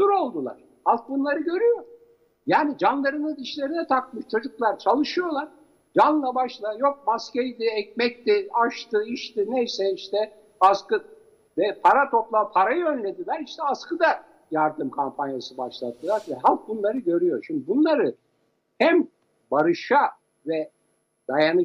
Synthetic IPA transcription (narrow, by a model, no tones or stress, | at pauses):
suɾo̞lˠd̪ulˠa̰ɾ̥ | halˠk̚bunlˠaɾɯɟø̞ɾyjo̞ɾ | jaːnid͡ʒanlˠaɾɯnad̪iʃlʲe̞ɾinɛt̪ʰakmɯʃt͡ʃʰo̞d͡ʒuklˠaɾt͡ʃʰalˠɯʃɯjo̞lˠaɾ̥ | d͡ʒanlˠabaʃlˠajo̞k̚mascejd̪iɛc̚mɛc̚t̪iaʃt̪ɯiʃt̪inejsɛiʃt̪ɛ | askɯ | d̪ɛpʰaɾat̪ʰo̞plˠapʰaɾajɯønlʲed̪ilʲæɾiʃt̪ɛaskɯd̪a | jaɾd̪ɯmkʰampʰanjasɯbaʃlˠa̰t̪ːɯlˠaɾvɛɦalˠk̚bunlˠaɾɯɟø̞ɾyjo̞ɾʃimd̪ibunlˠaɾɯ | hæm | baɾɯʃa | vɛ | d̪̥ajanɯ